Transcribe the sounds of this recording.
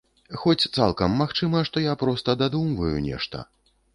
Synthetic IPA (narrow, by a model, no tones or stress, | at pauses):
xɔt͡sʲt̪sa̰lˠkɐmːaxt͡ʂɨmɐʂt̪ɔjapɾɔst̪ɐd̪ad̪umvɐjṵnʲɛ̰ʂt̪ɐ̰